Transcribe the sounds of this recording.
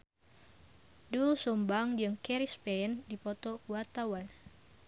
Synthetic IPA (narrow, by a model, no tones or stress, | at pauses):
dulsumbaŋd͡ʒɨŋkɛɾispɛndipɔt̪ɔkuwart̪awan